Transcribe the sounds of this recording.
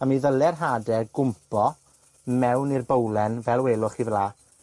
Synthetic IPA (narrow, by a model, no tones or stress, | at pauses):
amiðəlˠɛrɦaːdɛɡʊmpʰɔ | mɛwnirbəwlˠɛnvɛlˠweːlʊχivlaː